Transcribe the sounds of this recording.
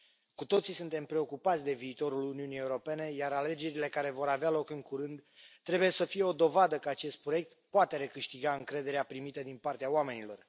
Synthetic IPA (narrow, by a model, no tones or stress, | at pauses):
kut̪o̞t̪sisunt̪e̞mpɾe̞o̞kupat̪sʲd̪e̞viːt̪o̞ɾuluniunije̞uɾo̞pe̞ne̞jaɾale̞d͡ʒe̞ɾile̞kaɾe̞vo̞ɾavealo̞kɨŋkuɾɨnd̪t̪ːɾe̞buje̞səfije̞o̞d̪o̞vad̪əkəat͡ʃe̞st̪̚pɾo̞je̞k̚t̪poat̪e̞ɾe̞kɨʃt̪iɡaɨŋkɾe̞d̪e̞ɾeapɾimit̪əd̪inpart̪eaoame̞nilo̞̰r